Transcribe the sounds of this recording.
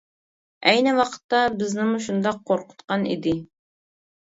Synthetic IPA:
ɛjnɪwɑqʰə̥t̪ːɑbɪznɪmuʃ̬und̪ɑqʰːoɾqʰʊ̥t̪qɑnḭd̪ɪ

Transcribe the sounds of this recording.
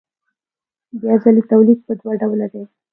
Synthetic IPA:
bjazalit̪awliɡ̪̚pəd̪waɖawlad̪e

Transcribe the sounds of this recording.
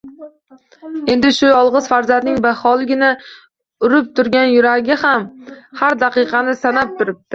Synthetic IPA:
e̞nd̪ɪʃʊjɒlˠʁɨz̥faɾzand̪nɪŋbahɒlˠɡʲɪnɪ | ʊɾɪp̚t̪ʰʊɾɡʲanjʊɾaɡʲɪhamhaɾd̪aqɨqʰɑnɪsanap̚t̪ʰʊɾɪp̚t̪ʰɪ

